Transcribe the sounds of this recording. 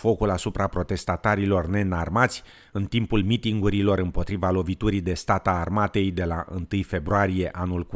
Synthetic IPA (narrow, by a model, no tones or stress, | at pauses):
fo̞kulasupɾapɾo̞t̪e̞st̪at̪aɾilo̞rne̞narmat̪sʲ | ɨnt̪impulmit̪iŋɡuɾilo̞ɾɨmpo̞t̪ɾivalo̞vit̪uɾid̪e̞st̪at̪aːrmat̪e̞jd̪e̞laʔɨ̰nt̪ɨjfe̞bɾoaɾije̞ʔanulk